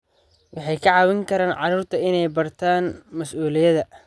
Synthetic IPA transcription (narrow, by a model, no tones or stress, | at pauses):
wɑħɑjkʰɐʕɑːwɪŋkʰɐɾaːnʕɑruːrt̪ʰɐɪnɛjbɐrt̪ʰaːnmɐsʔuːlɪjɐðɐ